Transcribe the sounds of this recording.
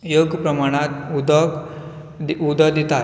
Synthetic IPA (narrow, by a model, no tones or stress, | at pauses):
joɡpɾəmaɽ̃at̪ud̪ | ud̪əd̪it̪a